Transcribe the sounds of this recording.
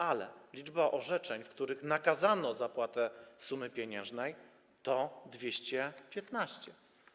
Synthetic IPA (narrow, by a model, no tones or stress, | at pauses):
alɛlʲid͡ʐbaʔɔʐɛt͡ʂɛɲfkt̪uɾɘxnakazanɔzapwat̪ɛsumɘpʲjeɲɛ̃ʐnɛj | t̪ɔd̪vʲjeɕt͡ɕɛpʲjɛt̪naɕt͡ɕɛ